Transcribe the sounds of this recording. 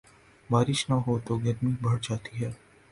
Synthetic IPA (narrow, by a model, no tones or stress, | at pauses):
baːɾɪʃnaɦot̪oɡəɾmibʱɐɽd͡ʒaːt̪iɦɛː